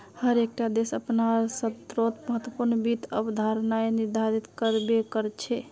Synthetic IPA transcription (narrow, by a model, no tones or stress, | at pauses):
həɾek̚ʈad̪esəpnasət̪ɾot̪məɦət̪wəpuɾnəbit̪əbd̪ʱaɾnaeniɾd̪ʱaɾit̪kəɾbekəɾt͡ʃʰɛ